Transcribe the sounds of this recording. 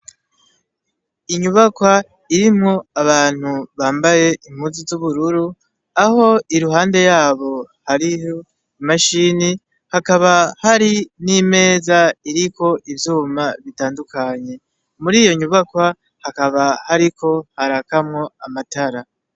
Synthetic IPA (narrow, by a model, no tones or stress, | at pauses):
iɲuβakwa | iɾimŋo̞aβaːn̥huβaːmbaje̞ʔim̥huːnzizuβuɾuɾu | aho̞iɾuɦaːnde̞jaːβo̞ | haɾijo | imaʃiːni | hakaβahaɾinime̞ːzaiɾikʰo̞ʔivjuːmaβitaːndukaɲe̞ | muɾiːjo̞ɲuβakwa | hakaβahaɾikʰo̞haɾakamŋo̞amataɾa